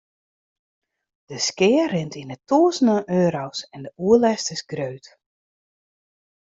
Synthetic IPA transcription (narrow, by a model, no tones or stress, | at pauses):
d̥əskɪərɪntʰinətuəzənəʔøːɾowsɛndəuəlɛstɪsɡɾøːt